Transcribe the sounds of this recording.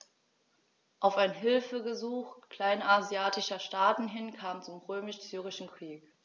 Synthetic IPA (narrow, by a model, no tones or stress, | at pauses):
ʔaʊfaɪnɦɪlfəɡəzuːxkl̥aɪnazjaːtɪʃɐʃtaːtn̩ɦɪnkʰaːmənt͡sʊmʁøːmɪʃz̥yːʁ̞ɪʃn̩kʁ̥iːk